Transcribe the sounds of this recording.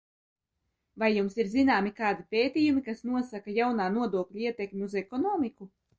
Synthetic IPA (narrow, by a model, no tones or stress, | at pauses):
vajːumsiɾzinaːmikaːd̪ipʲeːt̪iːjumikasnuɔsakajawnaːnuɔd̪uɔklʲuiɛt̪ekmʲiuzɛkɔnɔːmiku